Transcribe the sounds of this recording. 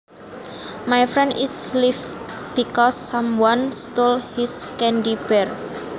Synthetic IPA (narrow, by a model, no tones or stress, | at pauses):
majfɾɛndislifb̥ikɔsːãmwanst̪olhiskɛndib̥ɛr